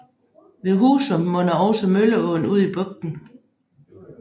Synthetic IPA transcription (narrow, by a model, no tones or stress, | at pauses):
ʋe̝ɦuːsəmɔ̽nɐɒʊsɐmøləɔːn̩uð̰ˠib̥ɔ̽ɡ̥̚d̥n̩